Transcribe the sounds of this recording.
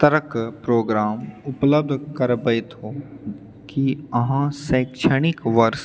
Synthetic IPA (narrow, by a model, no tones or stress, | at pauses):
t̪əɾəkpɾoːɡɾaːmʊpləb̚d̪ʱkɐɾbəɪt̪oː | kiɐɦãsɐːkʃəɽ̃ɪkʋɐɾs